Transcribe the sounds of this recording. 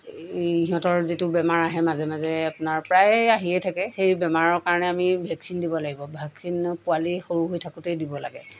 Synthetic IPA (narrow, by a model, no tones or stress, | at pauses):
iɦɔ̃tɔɹzitʊbɛmaɹaɦɛmazɛmazɛapʊnaɹpɹajaɦiɛtʰakɛxejbɛmaɹɔɹkaɹɔnɛamibʱɛksindibɔlaɡibɔbʱɛksinpualixoɹuɦojtʰakutejdibɔla̰ɡɛ